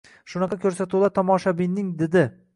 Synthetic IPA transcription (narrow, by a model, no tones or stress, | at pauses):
ʃʊnɑqʰɑkʲʰɵɾsat̪ulˠaɾt̪ʰɒmɒʃabinːɪŋd̪ɪd̪ɪ